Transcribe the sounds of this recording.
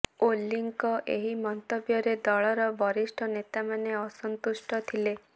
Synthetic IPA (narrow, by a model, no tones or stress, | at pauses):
olːiŋkɔʔḛɦimɔnt̪ɔbjɔɾed̪ɔɭɔɾɔbɔɾisʈʰɔnet̪amaneɔsɔnt̪usʈɔt̪ʰile